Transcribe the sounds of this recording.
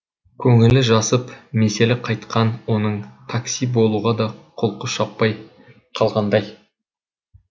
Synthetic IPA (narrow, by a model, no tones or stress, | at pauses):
kʲʰɵŋɪlɪʒɑsəpmese̞leqʰɑjt̪qɑnwo̞nəɴt̪ʰaksijbo̞lˠuʁɑd̪ɑqʰolˠqəʃɑpːɑj | qʰɑlˠʁɑnd̪ɑj